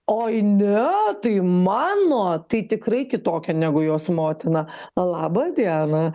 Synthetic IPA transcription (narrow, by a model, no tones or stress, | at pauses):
oːɐɪnʲɛt̪ɐɪmɑːnoːt̪ɐɪt̪ʲɪkrɐɪkʲɪt̪oːkʲɛnʲæːɡʊjoːsmoːt̪ʲɪnɐlˠɑːbɐd̪ʲiɛnɐ